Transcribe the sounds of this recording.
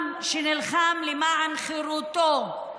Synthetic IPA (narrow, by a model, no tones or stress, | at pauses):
mʃenilχamlimaʕanχiɾut̪o